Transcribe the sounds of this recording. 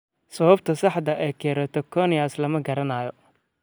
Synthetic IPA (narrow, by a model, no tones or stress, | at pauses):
sɐβɐbt̪ʰɐsɑħd̪ɐʔɛjkʰɛːɾɐt̪ʰɔkʰɔnɪaslɐmɐɡɐɾɐnaːjɔ